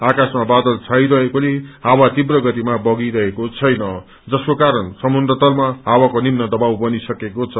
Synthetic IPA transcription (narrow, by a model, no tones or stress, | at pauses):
akasmabad̪ʌlt͡sʰajɾʌɦekoleɦawat̪ibrʌɡʌt̪imabʌɡiɾʌɦekot͡sʰʌjnʌ | d͡zʌskokaɾʌnsʌmund̪rʌt̪ʌlmaɦawakonimnʌd̪ʌbawbʌnisʌkekot͡sʰʌ